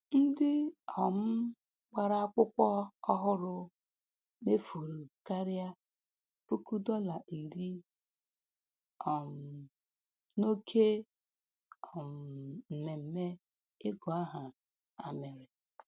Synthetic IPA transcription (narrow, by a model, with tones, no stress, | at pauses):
n̩˦dɪ˦ɔ˨m̩˦ | ɡ͡ba˦ɾa˦a˦kʷʊ˦kʷɔ˦ɔ˦ɦʊ˦ɾʊ˦ | me˦fu˨ɾu˨ka˦ɾja˦ | pu˦ku˦dɔ˦la˨ʔi˨ɾi˦ | ɔ˨m̩˨ | no˦kʰe˦ | ɔ˨m̩˨m̩˨me˨m̩˦me˦ | ɪ˦ɡɔ˨a˦ɦa˨ | a˨me˨ɾe˨